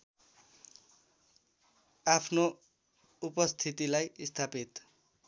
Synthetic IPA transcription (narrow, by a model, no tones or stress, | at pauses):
apʰno | upʌst̪ʰit̪ilajist̪ʰapit̪